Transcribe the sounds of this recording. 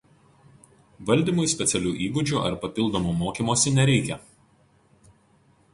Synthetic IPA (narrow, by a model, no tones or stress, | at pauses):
ʋɐlʲd̪ʲiːmʊɪsʲpʲɛt̪sʲɛlʲuːʔiːɡʊd͡ʒʲuːˑʔɐ̰ɾpɐpʲɪlˠd̪oːmuːmoːkʲiːˑmoːsʲɪnʲɛɾʲɛɪkʲɛ